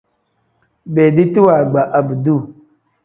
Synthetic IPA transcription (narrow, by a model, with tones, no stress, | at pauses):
beː˨di˦ti˦wa˨ɡ͡ba˨ʔa˨bi˨du˦˨